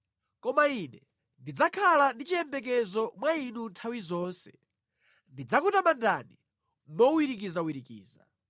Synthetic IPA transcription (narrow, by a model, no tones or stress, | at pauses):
kɔmainɛ | ndid͡zakʰalandit͡ʃiɛmbɛk̬ɛzɔmwainuntʰawizɔːnsɛ | ndid͡zakutamandani | mɔuiɾik̬izawiɾikḭːza̰